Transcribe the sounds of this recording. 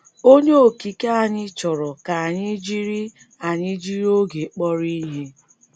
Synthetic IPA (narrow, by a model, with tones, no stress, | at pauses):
o˦ɲe˦o˨ki˨ka˦a˨ɲɪ˦t͡ʃɔ˨ɾɔ˨ka˨a˨ɲɪ˦d͡ʒi˦ɾi˦ | a˨ɲɪ˦d͡ʒi˦ɾi˦o˦ɡe˨k͡pɔ˦ɾi˦ɦe˦